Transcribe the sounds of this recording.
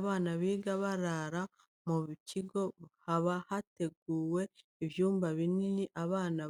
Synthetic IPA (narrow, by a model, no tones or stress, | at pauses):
βaːnaβiːɡaβaɾaɾa | muβiciɡo̞haβahate̞ɡ̚uːwe̞ | iβjuːmbaβininiʔaβaːna